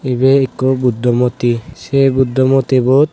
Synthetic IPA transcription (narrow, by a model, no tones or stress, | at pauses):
ibeekobud̪ʱːɔmɔt̪isebud̪ʱːɔmɔt̪ibɔt̪̚